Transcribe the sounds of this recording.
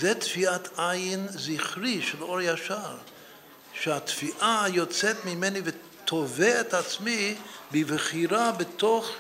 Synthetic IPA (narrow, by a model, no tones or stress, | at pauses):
zɛtfiatʰajɪnziχɾiʃɛlˠɔɾjaʃaɾ | ʃɛatfiʔajɔt͡sɛtmɪmɛnivɪ | tʰɔvɛːtat͡smibɪvəχiɾabɪtɔχ